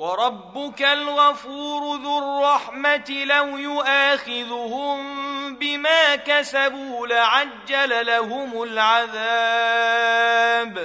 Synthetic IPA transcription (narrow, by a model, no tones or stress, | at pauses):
wɑɾˤɑbːʊkalɣafuːɾʊðʊrˤːɑħmat̪ɪlawjʊʔaːxɪðhʊmbɪmaːkasabuːlɪʕad͡ʒːalalaɦʊmʊlʕaðaː | b